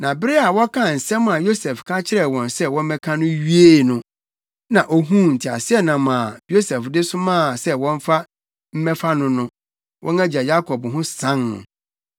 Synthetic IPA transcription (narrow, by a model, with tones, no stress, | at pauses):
nã˨bɾɪ˦a˨wɔ˦kʰã˦˨n̩˨sɛ̃˦m˦˨a˨jo˦sɛ˨fkʰã˦t͡ɕʰɪ˦ɾɛ˨wɔ̃˨nsɛ˦wɔ̃˦m˦mɛ̃˦kʰã˦nʊ̃˦ɥi˦e˦˨nʊ̃˦ | nã˨ʔo˦ɦũ˦n̩˨tʰɪ˨a̰˨sɪ˦ɛ˦nã˨m˨a˨jo˦sɛ˨fdɪ˦sʊ˦mãː˦˨sɛ˦wɔ̃˦m˦fa˦ | m̩˦mɛ˦fa˦nʊ̃˦nʊ̃˦ | wʔɔ̰̃˦næ˦d͡ʑa˨ja˦kʰɔ˨bɦʊ̃˦sã˦nːʊ̰̃˨